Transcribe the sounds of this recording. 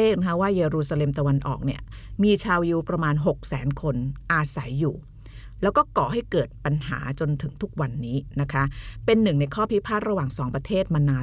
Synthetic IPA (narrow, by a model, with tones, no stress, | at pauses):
eː˥˩na˥kʰa˦˥waː˥˩jeː˧ɾuː˧saː˧le˧mt̪a˧wa˧nʔɔ̰ː˨˩k̚ni˥˩ɐmiː˧t͡ɕʰaː˧wji˧˥wpɾa˧maː˧nɦo˨˩k̚sɛ̰ː˩˦nkʰo˧nʔaː˧sa˩˦jːuː˨˩ | lɛː˦˥wkɔː˥˩kɔː˨˩ɦa˥˩jkɤː˨˩t̪̚pa˧nɦa̰ː˩˦t͡ɕo˧nt̪ʰɯ˩˦ŋt̪ʰu˦˥k̚wa˧nːiː˦˥na˦˥kʰa˦˥pe˧nːɯ˨˩ŋna˧jkʰɔː˥˩pʰi˦˥pʰaː˥˩t̪̚ɾa˧waː˨˩ŋsɔː˩˦ŋpɾa˧t̪ʰeː˥˩t̪̚maː˧naː˧